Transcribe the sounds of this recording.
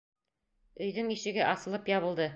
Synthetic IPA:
ɵ̆jðɘŋiɕɘ̆ɡɘʔɑsɤ̆lˠɤpjɒβɤ̆lˠd̪ɤ

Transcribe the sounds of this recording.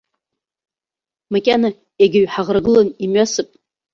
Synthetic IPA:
makʲʼana | jaɡʲɪɥħaʁrɡɨlanimɥasɨpʼ

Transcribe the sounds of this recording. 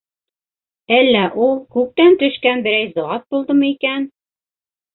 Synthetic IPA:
ælːæʔulˠkʉk̚t̪ænt̪ɵ̆ʃkænbɘ̆ɾæjzŏɑt̪̚bulˠd̪ɤmɤikæn

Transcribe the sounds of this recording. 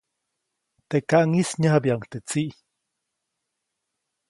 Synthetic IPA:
t̪ekaʔŋisɲaɦabiaŋt̪et͡siʔ

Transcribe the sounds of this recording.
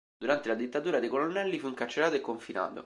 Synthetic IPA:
d̪̥uɾant̪elad̪it̪ːat̪uːɾad̪ekolonːɛlːifuiŋkat͡ʃːelaːt̪oekːoɱfina̰ːt̪o̰

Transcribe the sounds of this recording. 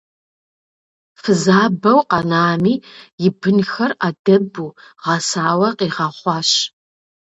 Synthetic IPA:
fɨzaːbɐwqɑnaːmiːjɪbɨnxɐraːdɐbuːʁɐsaːwɐqiːʁɑχʷɑːɕ

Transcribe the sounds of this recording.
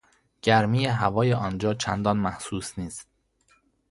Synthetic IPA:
ɟ̥æɾmiːjeɦævɒːjeʔɒnd͡ʒɒːt͡ʃʰænd̪ɒːnmæhsuːsniːst̪̚

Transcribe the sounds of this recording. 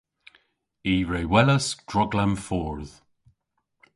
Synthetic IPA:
iːɹeːwɛləsd̥ɹɔɡlamfɔːɹð̥

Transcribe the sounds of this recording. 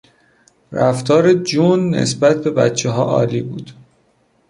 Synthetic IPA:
ræft̪ʰɒːɾed͡ʒunːḛsbæt̪̚ʰbe̞bæ̰t̪t͡ʃʰeɦɒːʔɒ̰ːliːbuːd̪̥

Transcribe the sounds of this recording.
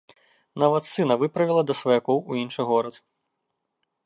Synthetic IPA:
nɐvɐt̪sɨnɐvɨpɾɐvʲilˠɐd̪ɐsvɐjakɔwuinʂɨɣɔɾɐt̪

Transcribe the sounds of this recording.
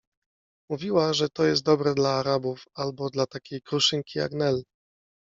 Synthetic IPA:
muvʲiwaʐɛt̪ɔjɛst̪̚d̪ɔbɾɛd̪laːɾabufalbɔd̪lat̪akʲejkɾuʂɘŋkʲija̰ɡnɛl

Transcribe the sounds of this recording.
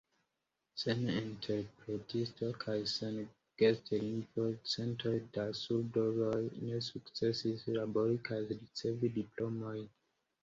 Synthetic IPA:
senĩntʰeɾpɾetʰistokʰajsen | ɡ̥esteinfosẽntʰeɾdasuɾdozojnesukt͡sesisɾaboɾikʰazɾit͡sevidiplomoj

